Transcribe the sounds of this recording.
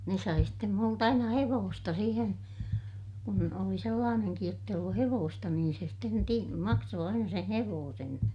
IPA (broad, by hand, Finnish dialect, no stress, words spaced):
ne sɑi stem mult ɑinɑ heʋoːstɑ siːhen kun oli selːɑːneŋkij jotː eij olːu heʋoːstɑ niːn se sten ti mɑksoː ɑinɑ sen̞ heʋoːsen